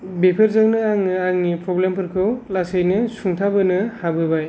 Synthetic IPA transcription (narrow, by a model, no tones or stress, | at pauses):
bepʰeɾzaŋnɯaŋnɯaŋnipɾɔblempʰɯɾkʰɯwlasejnɯsuŋtʰabɯnɯhabɯbaj